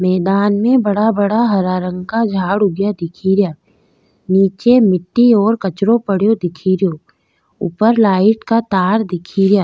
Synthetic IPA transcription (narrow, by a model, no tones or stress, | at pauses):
mɛːd̪aːnmẽbɐɽabəɽaɦɐɾaːɾə̃ŋɡkad͡ʒʱaːɽʊɡjad̪ɪkʰiːɾjaː | niːt͡ʃemɪʈːiɔːɾkɐt͡ʃɾõpəɽ̤jod̪ɪkʰiːɾjo | ʊ̰pəɾlaːɪʈkat̪aːɾd̪ɪkʰiːɾjaː